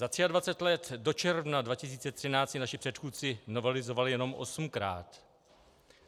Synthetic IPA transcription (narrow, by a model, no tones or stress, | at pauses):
zat̪r̝̥ɪadvat͡sɛt̪lɛt̪do̞t͡ʃɛɾvnadvacɪs̬iːt͡sɛt̪r̝̥ɪnaːt͡sɪnaʃɪpr̝̥ɛt̪xuːt̪t͡sɪno̞vɛlɪzo̞valɪjɛno̞mʔo̞̰sm̩kɾa̰ːt̪